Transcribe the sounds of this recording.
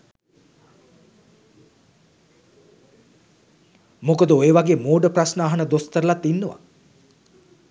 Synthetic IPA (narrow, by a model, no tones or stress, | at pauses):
mokəd̪əoeʋaɡeːmoːɖəprasnaːɦɐnəd̪ost̪əɾəlat̪ːinːəʋa̰